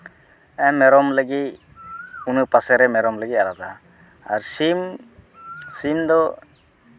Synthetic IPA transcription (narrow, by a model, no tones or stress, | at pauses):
ɛ̃mːɛɾɔmləɡi | unupasɛɾɛmɛɾɔmləɡialat̪a | aɾsim | sind̪ɔ